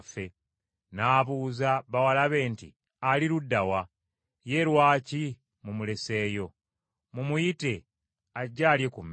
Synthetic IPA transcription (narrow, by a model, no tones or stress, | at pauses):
fe̞ | naːβuːzaβawalaβe̞ːntḭ | aliɾudːawa | je̞ɾwaːci | mumule̞se̞ːjo̞ | mumujite̞ | aɟːaːljekumː